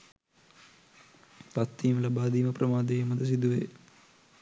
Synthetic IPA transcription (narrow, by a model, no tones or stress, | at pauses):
pɐt̪ːiːmlɐbaːd̪iːmɐprɐmaːd̪ejmɐd̪ɐs̬id̪uʋeː